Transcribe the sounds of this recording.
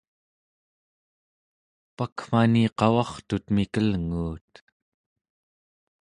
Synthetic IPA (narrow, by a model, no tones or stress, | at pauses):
pakm̥aniqɑwɑχt̪ut̪mikəlŋuːt̪